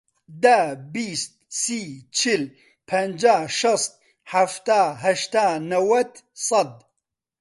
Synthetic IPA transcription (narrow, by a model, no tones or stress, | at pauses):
d̪abiːst̪̚sit͡ʃʰil | pʰɐnd͡ʒaːʃɨst̪̚ | ħaft̪aːɦɐʃt̪aːnɐwɐt̪ | sˤɐd̪̚